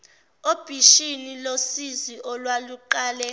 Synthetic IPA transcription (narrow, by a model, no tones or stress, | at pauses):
ob̥ʱiʃinilosiziʔɔlwaluǃaːlɛ